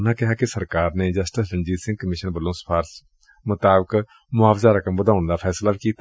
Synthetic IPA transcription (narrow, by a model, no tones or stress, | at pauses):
nakɪɦakesəɾkaːɾned͡ʒəsʈɪsɾə̃ɲd͡ʒiːt̪sɪ̃ŋɡ̚kəmɪʃənbəlõːspʰaːɾs | mʊt̪aːbək | mʊaːfʰzaɾəkəmbəd̪aːʊnd̪apʰɛːslabkiːt̪